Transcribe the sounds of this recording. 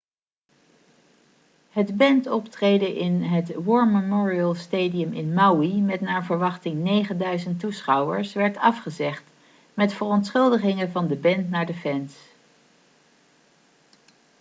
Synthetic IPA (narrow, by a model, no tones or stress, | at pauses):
hədbɛntɔptrejdəʔɪnɦətwɔːɹməmɔːɹiəlˠstejdiəmɪnmawimɛtnaːɹvəɹʋɑχtɪŋnejχəndœɥzəntusχɑwə̰ɹsʋɛɹtɑfχəzɛχt | mɛtfərɔntsχɵlˠdəχɪŋəvɑndəbɛntnaːɹdəfɛns